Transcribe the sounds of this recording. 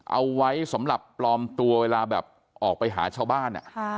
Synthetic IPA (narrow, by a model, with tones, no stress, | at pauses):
ʔa̰˧wːa˦˥jsa˩˦mɾa˨˩pːlɔː˧mt̪u˧ɐweː˧laː˧bɛː˨˩p̚ | ʔɔː˨˩k̚pa˧jɦa̰ː˩˦t͡ɕʰaː˥˩wbaː˥˩nʔa̰˨˩